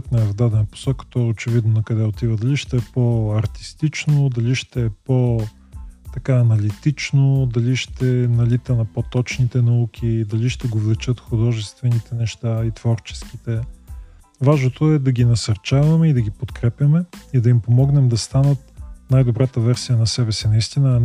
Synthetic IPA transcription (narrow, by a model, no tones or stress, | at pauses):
t̪nɐɛvd̪ad̪ɛnəpo̥sɔkə̥t̪ɔɛot͡ʃɛvid̪nonɐkɐd̪ɛot̪ivəd̪ɐliʃt̪ɛɛpoɐɾt̪i̥st̪it͡ʃnod̪ɐliʃt̪ɛɛpo | t̪ɐkaːnɐlit̪it͡ʃnod̪ɐliʃt̪ɛnɐlit̪ənɐpot̪ɔt͡ʃnit̪ɛnɐuk̟ʰʲid̪ɐliʃt̪ɛɡovlˠɛt͡ʃət̪xud̪ɔʒɛst̪vɛnit̪ɛnɛʃt̪ait̪v̥ɔɾt͡ʃɛ̥skit̪ɛ | vaʒnot̪oɛd̪ɐɡʲinɐsɐɾt͡ʃavɐmɛid̪ɐɡʲipot̪kɾɛpʲjɐmɛid̪ɐimpomɔɡnɛmd̪ɐst̪anət̪̚najd̪obɾat̪əvɛɾsijənɐsɛbɛsinɐist̪inə